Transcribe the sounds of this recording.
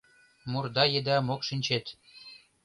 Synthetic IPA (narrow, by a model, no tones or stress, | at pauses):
murd̪ɑjed̪æmokʃinʲt͡ɕet̪